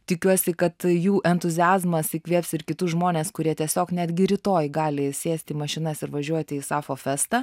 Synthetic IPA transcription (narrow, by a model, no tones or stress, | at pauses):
t̪ʲɪkʲuɔsʲɪkɐt̪juːʔɛnt̪ʊzʲɪæːzmɐsɪkʲʋʲiɛpʲsɪɾkʲɪt̪ʊsʒmoːnʲeːskʊɾʲiɛt̪ʲiɛsʲoːknʲæd̪ʲɡʲɪɾʲɪt̪oːjɡɑːlʲɪsʲeːsʲt̪ʲiːmɐʃʲɪnɐsɪɾʋɐʒʲuɔt̪ʲɪisɑːfoːfʲɛst̪ɐ